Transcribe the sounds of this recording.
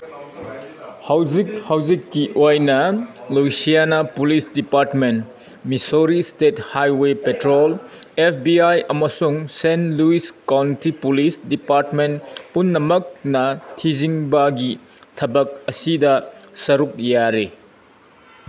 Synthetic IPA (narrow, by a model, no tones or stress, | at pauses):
hawzik̚hawzikːiʔojnɐlujsijanapulisdipaɾtmen | misoɾistethajwepetɾolepʰbiajɐmɐsuŋsenluiskawntipulisdipaɾtmenpunːɐmɐk̚nɐtʰiziŋbɐɡi | tʰɐbɐk̚ɐsidɐsɐɾuk̚jaɾe